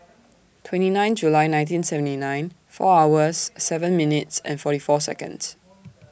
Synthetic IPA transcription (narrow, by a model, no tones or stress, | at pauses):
tʰwɛ̃ntinãɪ̃nd͡ʒulaɪnãɪj̃ntĩnsɛvə̃ntinãɪ̃n | fɔ̰awəsːɛvə̃nminɪtsɛ̰̃nfɔɾifɔsɛ̰kə̰̃nds